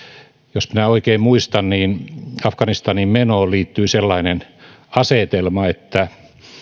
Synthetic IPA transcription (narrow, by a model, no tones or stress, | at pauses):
josminæoikeːmmuist̪ɑnniːnɑfkɑnist̪ɑnimmenoːliːt̪ːyiselːɑinen | ɑset̪elmɑet̪ːæ